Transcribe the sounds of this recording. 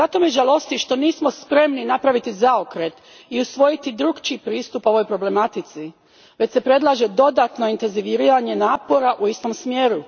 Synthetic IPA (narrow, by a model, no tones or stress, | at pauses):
zat̪omjeʒalˠo̞st̪iʃt̪o̞niːsmo̞spɾe̞mninapɾaʋit̪izaokɾet̪ | iusʋo̞jit̪id̪ɾuɡt͡ʃipɾiːst̪upo̞ʋo̞jpɾo̞ble̞mat̪it̪si | ʋe̞t͡ɕsepɾe̞d̪lˠaːʒe̞d̪o̞d̪at̪no̞int̪e̞nziʋiɾiːɾaɲe̞naːpo̞ɾaʔuist̪o̞msmjeːɾu